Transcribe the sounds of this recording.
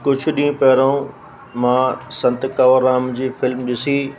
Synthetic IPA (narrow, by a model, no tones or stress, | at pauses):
kʊd͡ʑʱʰʊɗĩːpɛːɾõ | mãːsɐ̃nt̪kɐʋəɾaːmd͡ʑiːfɪlmɗɪsiː